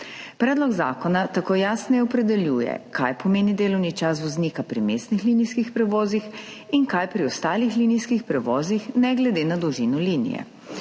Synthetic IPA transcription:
pɾɛːd̪lɔɡza̰ːkɔnat̪akoːjaːsnɛjɛɔpɾɛd̪ɛljuːjɛ̰kʰa̰jpɔmeːnid̪eːlɔwnit͡ʃas̬ʋɔzniːkapɾimeːst̪nixliːnijskixpɾɛʋɔːzix | inkajpɾiɔst̪aːlixlinijskixpɾɛʋɔːzixnɛɡlɛd̪eːnad̪ɔʒinɔliːnḭjɛ̰

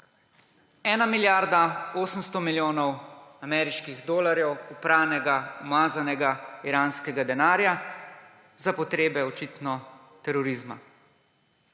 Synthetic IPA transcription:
ɛːnamiljaːɾd̪aoːsəmst̪ɔmiljoːnɔwamɛːɾiʃkiɣd̪oːlaɾjɛwupɾaːwnɛɡaɔmaːzanɛɡaiɾaːnskɛɡad̪ɛnaːɾja | zapɔt̪ɾeːbɛɔt͡ʃit̪nɔ | t̪ɛɾɔɾiːzma̰

